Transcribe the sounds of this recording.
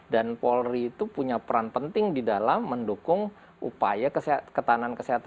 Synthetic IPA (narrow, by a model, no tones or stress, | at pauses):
danpɔlriːt̪upuɲapəɾanpənt̪ɪŋdidalamːəndukʊŋ | ʔṵpajakəskət̪anankəsiɦat̪a